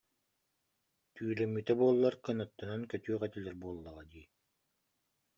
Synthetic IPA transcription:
t̪yːɾɛmːyt̪ɛbuɔlˠːaɾkɯnɔt̪ːɔnankœt̪yːʁɛt̪ilɛɾbuɔlˠːɔʁad̪iː

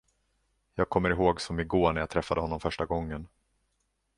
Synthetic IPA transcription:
jɑːɡ̚kʰɔmːəɾɪɦoːɡsɔmɪɡoːɳæɾjat̪ʰɾɛfːad̪əɦɔnːɔmfœʂʈaɡɔŋːən

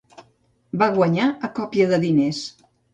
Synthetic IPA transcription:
baɣwəɲaəkɔpjəðəðines

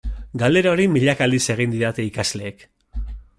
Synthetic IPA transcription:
ɡald̪e̞ɾaoɾimiʎakald̪ise̞ɣ̞ind̪iɾat̪e̞ikazle̞ːk

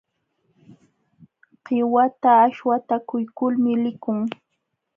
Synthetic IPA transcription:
ɢɪwat̪aːʃwat̪akʊjkʊlmɪlɪkʊŋ

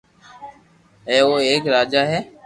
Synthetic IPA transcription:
ɛ̃ːoːeːkɾaːd͡ʒaːɦɛː

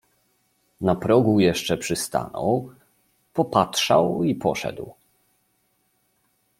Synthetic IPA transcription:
napɾɔɡujɛʂt͡ʂɛpʂɘst̪a̰nɔ̰w | pɔpatʂawipʰɔ̰ʂɛ̰d̪w

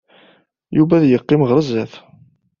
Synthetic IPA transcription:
juvæðjəqːɪmʁɾˤəzːæθ

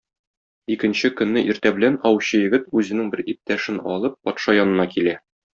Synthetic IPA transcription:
ikɘ̆nɕɘkɵ̆nːɘʔiɾt̪æbɘ̆lænɒwɕɤjɘ̆ɡɘt̪ʉzɘ̆nɘŋbɘɾip̚t̪æʃɘnɒ̰lˠɤp̚ːɒt̪ʃɑjɒnɤ̆nɑkilæ

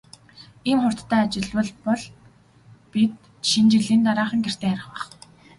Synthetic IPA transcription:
iːmχʊr̥t̪ːʰæːat͡ɕɪ̆ɮwə̆ɮpɔɮ | pit̪ | ʃint͡ɕiɮiːnt̪aɾaːχə̆ŋɡer̥t̪ʰeːæɾɪ̆χwæ̆χ

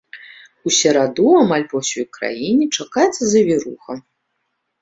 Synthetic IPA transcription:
usʲɛɾad̪uamalʲpɐwsʲɔjkɾa̰jinʲit͡ʂakajɛt̪sːɐzɐvʲiɾṵxɐ

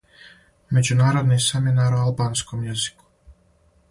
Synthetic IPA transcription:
me̞d͡ʑunaːɾod̪niseminaɾoalbaːnskomjezi̥ku̥

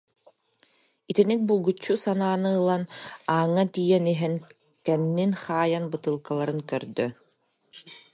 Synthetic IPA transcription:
it̪inik̚bulˠɡut͡ɕːusanaːnɯɯlˠanaːŋːat̪ijɛniɦɛn | kɛnːinχaːjanbɯt̪ɯlˠkalˠaɾɯnkœɾd̪œ

